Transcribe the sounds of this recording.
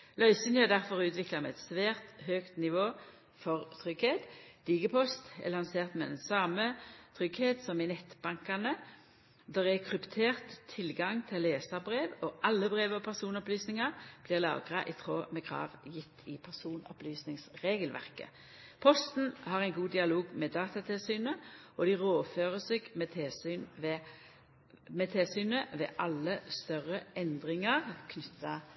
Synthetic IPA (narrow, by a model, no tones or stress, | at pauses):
lœʏsənjæd̪æʁfɔʁʉːt̪ʋɪklɑmɛɛt̪sʋæːʁt̪høːkt̪nɪʋoː | fɔʁt̪ʰʁʏɡheːt̪d̪̥iːɡəpʰɔst̪ɛ̰lɑnseːʁt̪mɛɛnsɑːmət̪ʰʁʏɡheːt̪sɔmɪnɛt̪ːb̥ɑŋkɑnə | d̪ɛʁɛkʰʁʉpt̪ʰeːʁt̪ʰːɪlɡɑŋt̪ʰɪlːeːsɑʁbʁeːʋɔʔɑlːəbʁeːʋəɔpʰæʁsuːnɔplyːsnɪŋɑb̥lɪʁlɑ̰ːɡʁɑ̰ʔɪt̪ʰʁoːmɛkʰʁɑ̰ːʋjɪt̪ʰːɪpʰæʁsuːnɔ̰plyːsnɪŋsʁeːɡəlʋæ̰ʁkə̰ | pʰɔst̪n̩hɑʁæɪnɡuːd̪ɪɑloːɡmɛd̪ɑːt̪ɑt̪ʰɪlsyːnəɔd̪ɪʁoːføːʁəseːɡmɛt̪ʰesyːnʋ | mɛt̪ʰeːsyːnəʋɛ̰ʔɑlːəst̪œʁəɛnd̪ʁɪŋəʁkʰnʏt̪ːɑ